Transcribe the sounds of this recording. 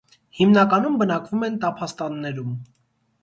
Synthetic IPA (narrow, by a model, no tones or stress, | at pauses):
himnɑkɑnumbənɑkvumɛnt̪ɑpʰɑst̪ɑnːɛɾum